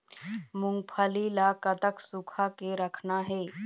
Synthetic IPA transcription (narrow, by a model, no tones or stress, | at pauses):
mʊ̃ŋɡ̚pʰəlilakət̪əksʊkʰakeɾəkʰnaɦɛː